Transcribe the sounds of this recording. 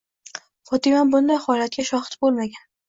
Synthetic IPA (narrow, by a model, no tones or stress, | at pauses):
χɒt̪ʰɪmanbʊnd̪ajhɒlat̪̚ɡʲaʃɒχɨ̥t̪bolˠmaɡʲan